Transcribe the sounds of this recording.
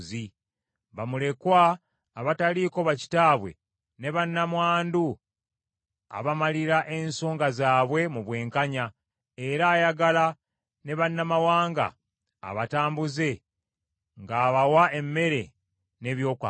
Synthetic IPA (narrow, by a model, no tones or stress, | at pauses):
zi | βamule̞kwaː | βataliko̞βaci̥taːβwe̞̰ | ne̞βanːamwaːndu | a̰βamaliɾaʔe̞nso̞ːŋɡazaːβwe̞muβwe̞ːŋkaɲa | e̞ɾaːjaɡala | ne̞βanːamawaːŋɡa̰ː | βataːmbuze̞ | ŋɡaːβawae̞mːe̞ɾe̞ | ne̞βjo̞ːkwa